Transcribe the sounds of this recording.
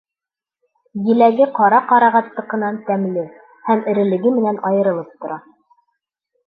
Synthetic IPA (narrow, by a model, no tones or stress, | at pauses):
jɘ̆læɡɘqɑɾɑqɑɾɑʁɑt̪ːɤ̆qɤ̆nɑnt̪æmlɘ | hæmɘ̆ɾɘ̆lɘ̆ɡɘmɘ̆nænʔɑjɤ̆ɾɤ̆lˠɤp̚t̪ŏɾɑ